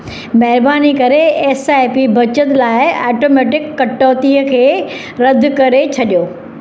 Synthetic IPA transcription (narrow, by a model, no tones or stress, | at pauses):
mɐɦɪɾbaːnikɐɾeeːsajpibʱɐt͡ɕət̪laːɪaːʈoːmɛːʈɪkːɐʈːəːt̪iːəkʰeː | ɾɐd̪ʱːʊkɐɾet͡ɕʰɐɗijoː